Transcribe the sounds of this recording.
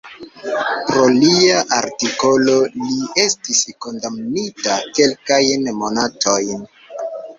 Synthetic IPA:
pɾo̞liaʔaɾtiko̞lo̞lie̞stisko̞ndamnitake̞lkajnmo̞natʰo̞jn

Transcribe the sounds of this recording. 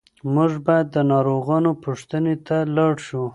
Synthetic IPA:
muʐbɑjad̪ːənɑɾoɣɑnopʰuʂt̪ənet̪alɑɽʃu

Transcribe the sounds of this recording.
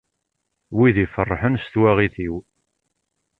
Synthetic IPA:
wiðifərˤːħənst̪wæʁiθiw

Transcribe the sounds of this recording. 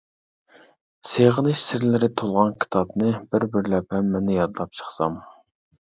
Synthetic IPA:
seʁənɨʃsɪɾlɪɾɪt̪ʰolˠʁɑnkʲʰi̥t̪ʰɑbnɨbɪɾbɪɾlɛphɛmːɛnːɪjɑd̪lˠɑp̚t͡ʃʰə̥χsɑm

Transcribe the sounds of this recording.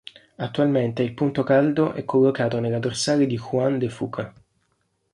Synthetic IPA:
at̪ːualment̪eilpunt̪okald̪oʔɛkʰːolːokaːt̪onelad̪orsaːled̪ixwand̪efṵːkʰa

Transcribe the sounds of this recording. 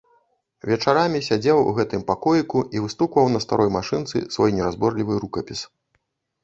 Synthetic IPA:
vʲɛt͡ʂaɾamʲisʲad͡zʲɛwṵɣɛt̪ɨmpakɔjikuivɨst̪ukvɐwnɐst̪a̰ɾʔɔjmaʂɨnt̪sɨ̰svɔjnʲɛɾazbɔrlʲivɨɾukɐpʲis

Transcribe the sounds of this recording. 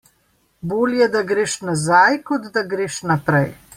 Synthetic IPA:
boːljɛd̪aɡɾeːʃnazajkɔd̪d̪aɡɾeːʃnapɾɛj

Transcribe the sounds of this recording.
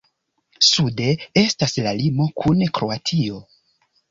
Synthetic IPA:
sude̞e̞staslalimo̞kʰunkɾo̞atʰio̞

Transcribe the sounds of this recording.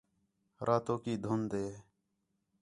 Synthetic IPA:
ɾʔaːt̪oːkiːd̪ʱʊnd̪eː

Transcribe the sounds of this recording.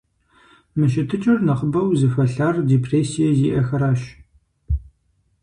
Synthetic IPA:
mɨʃɪtʰɨt͡ʃʼɪrnɐχəbɐwzɨfɐɬaːrdeːpʰreːsijɛziːʔɐxɐɾaːɕ

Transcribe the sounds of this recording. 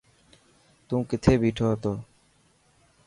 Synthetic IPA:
t̪ũːkɪt̪ʰeːbʱiːʈʰoːɦət̪oː

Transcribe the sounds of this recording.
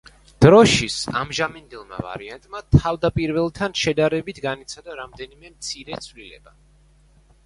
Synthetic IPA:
d̪̥ɾɔʃisa̰mʒamɛnd̪ilˠma̰va̰ɾiant̪ʼmat̪ʰavd̪apʼiɾvɛlˠt̪ʰanʃɛd̪aɾɛbit̪ʰɡanit̪sʰad̪aɾamd̪ɛnimɛmt̪sʰiɾɛt̪sʰvlilɛ̰b̥a

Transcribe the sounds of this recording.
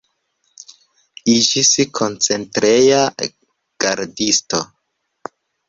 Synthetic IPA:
id͡ʒisikʰo̞nt͡se̞ntɾeja | ɡ̥aɾdisto

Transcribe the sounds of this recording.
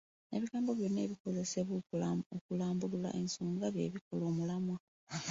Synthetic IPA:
e̞βiɡaːmbo̞βjo̞nːe̞ːβiko̞ze̞seβookulaːmbulula̰ʔe̞nsuːŋɡaβje̞̰ːβiko̞lo̞ːmulamwa

